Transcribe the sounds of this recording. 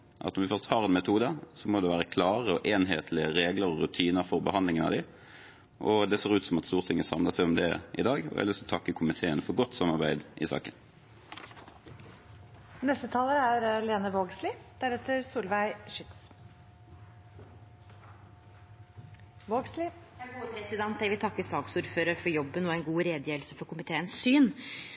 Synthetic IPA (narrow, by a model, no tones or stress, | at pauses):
ʔɑ̰t̪nɔmʋɪfœʁst̪hɑːʁɛːnmɛt̪ʰuːd̪əsɔmoːd̪ɛʋæːʁəkʰlɑːʁəɔʔeːnɦeːt̪ʰlɪəʁeːɡləʁɔʁʉt̪ʰiːnəɾfɔʁbəhɑnd̪lɪŋənɑ̰ʋd̪ɪ | ʔɔd̪ɛseːʁʉːt̪sɔmɑt̪st̪uːʁt̪ʰɪŋːəsɑmləsæɪɔmd̪ɛʔɪ̰d̪ɑːɡɔ̰æ̰lʏst̪ɔt̪ʰɑkːəkʰʊmɪt̪ʰeːənfɔʁɡɔt̪ːsɑmːɑʁbæɪd̪ʔɪ̰sɑ̰ːkən | nɛst̪ət̪ʰɑːləɾəæɾleːnəʋoːɡsliːd̪̥æɾɛt̪ːəɾsuːlʋæɪʃʏt̪s | ʋoːɡsliæɡuːəpɾɛsɪd̪ɛnt̪d̪æɛʋɪlt̪ɑkːəsɑːɡsuːɾføːɾəɾfɔɾjɔbːənɔæɪnɡuːɾeːd̪jeːʋlsəfɔɾkʰʊmɪt̪ʰeːənssyːn